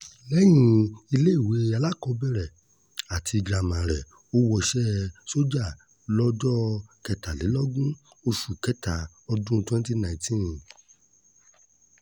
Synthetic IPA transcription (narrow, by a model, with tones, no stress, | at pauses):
lɛ˦j̃ĩ˧˦i˧le˦i˦˨we˨˦a˧la˦kɔ˧˦bɛ˦˨ɾɛ˨ | a˨tʰi˧ɡɾa˨mã˨ɾɛ˨ | o˦wɔ˧ʃɛ˦so˦d͡ʒa˦˨ | lɔ˦d͡ʒɔ˦kɛ˧ta˨le˨˦lɔ˦ɡũ˦ | o˧ʃu˨kɛ˦ta˨ | ɔ˧dũ˦˧twɛ̃˦n˦ti˦nã˨ĩ˨˦tĩ˦